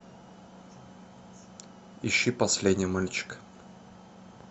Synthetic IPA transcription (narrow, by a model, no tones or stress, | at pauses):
ɪɕːipɐsʲlʲedʲnʲɪjmalʲt͡ɕɪ̥k